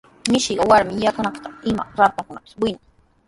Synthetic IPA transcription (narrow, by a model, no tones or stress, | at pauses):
nɪʃiɢɑwaɾmɪjakanaqt̪aɪma̰ɾap̪aŋkʊnapɪ̥swɪnaŋ